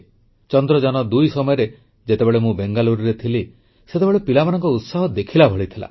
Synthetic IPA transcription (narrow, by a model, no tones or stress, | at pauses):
t͡ʃɔnd̪ɾɔd͡ʒanɔd̪ujsɔmɔjɔɾe | d͡ʒet̪ebeɭemũbeŋɡaluɾiɾet̪ʰili | set̪ebeɭepilamanɔŋkɔut̪saɦɔd̪ekʰilabʱɔɭit̪ʰila̰